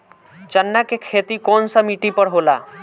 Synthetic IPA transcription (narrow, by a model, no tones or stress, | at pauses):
t͡ʃənːakekʰet̪ikonsəmiʈipəɽɦola̰